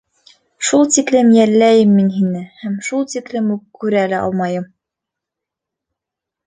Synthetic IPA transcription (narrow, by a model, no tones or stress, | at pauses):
ʃulˠt̪iklɘmjælːæjɘmːinɦinɘhæmʃulˠt̪iklɘmukkʉɾælæʔɑ̰lˠmɑjɤm